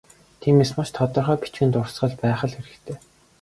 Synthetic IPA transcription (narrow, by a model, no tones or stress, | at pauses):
t̪ʰiːmeːsmaʃt̪ʰɔt̪ɞ̆rχœːpi̥t͡ɕɡɘ̆nt̪ʊrsɢə̆ɮpæːχə̆ɮxeɾɘ̆xt̪ʰeː